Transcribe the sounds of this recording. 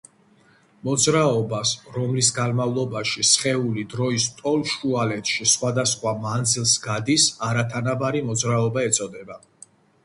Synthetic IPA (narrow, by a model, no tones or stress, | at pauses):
mɔd̪zɾaɔbasɾɔmlisɡanmavlˠɔbaʃisχɛulid̪ɾɔist̪ʼɔlˠʃualɛt̪ʰʃisχwad̪asχwamand̪zilˠsɡad̪isaɾat̪ʰanabaɾimɔd̪zɾaɔbaɛt̪sʼɔd̪ɛba